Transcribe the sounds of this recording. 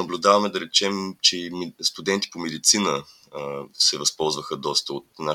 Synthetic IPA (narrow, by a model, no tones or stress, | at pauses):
ɐblʲʊd̪avɐmɛd̪ɐɾɛt͡ʃɛmt͡ʃɛst̪ʊd̪ɛnt̪i̥pomɛd̪it̪sinə | sɛvɐspɔlˠzvəxəd̪ɔst̪əot̪̚na